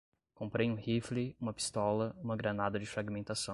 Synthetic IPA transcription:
kõpɾejũhifliũmɐpi̥st̪ɔlɐũmɐɡɾanad̪ɐd͡ʒɪfɾaɡimẽnt̪asɐ̃w̃

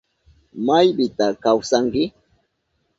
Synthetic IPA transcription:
majbɪt̪akawsaŋkɪ

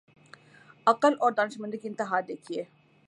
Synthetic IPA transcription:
ɐqəlɔːɾd̪aːnɪʃmə̃nd̪əkiɪnt̪ɪɦaːd̪eːkʰieː

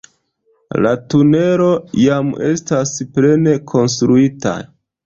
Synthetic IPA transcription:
latune̞ɾo̞jame̞stasple̞ne̞kʰo̞ns̬tɾuita̰

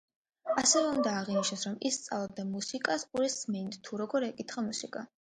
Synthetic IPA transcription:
asɛvɛund̪aːʁiniʃnɛsɾɔmist̪sʼa̰vlˠɔb̚d̪amusikʼasuɾismind̪t̪ʰuɾɔɡɔɾɛkʼit̪χamusikʼa

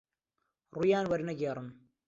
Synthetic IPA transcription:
ruːjaːnwɐɾnɐɡeːrˤɨm

